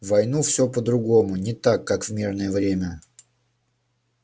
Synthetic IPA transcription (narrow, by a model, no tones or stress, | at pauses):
vɐjnufsʲɵpəd̪ɾʊɡomʊnʲɪt̪akːakvmʲirnəjəvɾʲemʲə